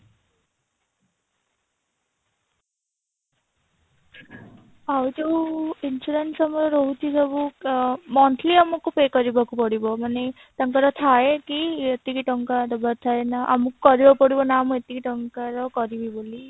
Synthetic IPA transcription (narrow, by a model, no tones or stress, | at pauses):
awd͡ʒowinsuɾensamɔɾɔɾɔɦut̪ʰisɔbumɔnt̪ʰliamɔkupekɔɾibakupɔɽibɔmane | t̪ɔŋkaɾɔt̪ʰaekiet̪ikiʈɔŋkad̪ɔbaɾt̪ʰajnaʔa̰mɔkkɔɾibakupɔɽibɔnaːmuet̪ikʰiʈɔŋkaɾɔkɔɾibiboli